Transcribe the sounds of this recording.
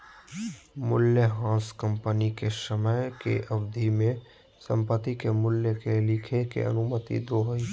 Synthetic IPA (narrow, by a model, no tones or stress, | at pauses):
mʊljəɦãːskə̃mpənikesəməjkḛʔɐʋd̪ʱimẽ | sə̰̃mpət̪ːikemʊljəkelɪkʰekḛə̰nʊmət̪ḭd̪oːɦi